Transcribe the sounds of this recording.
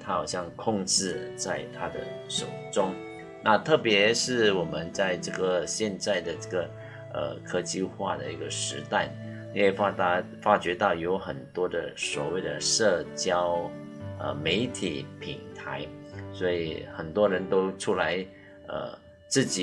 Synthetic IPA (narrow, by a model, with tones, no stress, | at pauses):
t̪ʰa˥xɑ˨˩ʊɕjɑ˥˧ŋkʰʊ˥˧ŋʈ͡ʂɻ̩˥˩˧t͡sa˥˧ɪt̪ʰa˥d̪ə̰˨ʂo˨˩ʊʈ͡ʂʊ˥ŋ | na˥˧t̪ʰɤ˥˩pjɛ˧˥ʂɻ̩˥˩wɔ˨˩mə˧˦nt͡sa˥˧ɪʈ͡ʂɤ˥˧˩ɡə˩ɕjɛ˥˧nt͡sa˥˩ɪd̪ə˩ʈ͡ʂɤ˥˩ɡə˩ | ə̰˩kʰɤ˥t͡ɕi˥˧xwa̰˥˩d̪ə̰˩i˧˥ɡə˨˩ʂɻ̩˧˥t̪a˥˩ɪ | ni˧˥we˥˩fa˥a˥˧ | fa˥t͡ɕɥɛ˧˥t̪ɑ˥˩ʊjo˧˥ʊxə˨˩nt̪wɔ˥d̪ə˨swɔ˨˩we˥˩ɪd̪ə̰˩ʂɤ˥˩t͡ɕjɑ˥ʊ | ə̰˧˩me˧˥ɪt̪ʰi˨˩pʰi˨˩ŋt̪ʰa˧˥ɪswɔ˧˥i˨˩xə˨˩nt̪wɔ˥ɻə˧˥nt̪o˥ʊʈ͡ʂʰu˥la˧˦˥ɪ | ə̰˨˩ | t͡sɹ̩˥˩t͡ɕi˨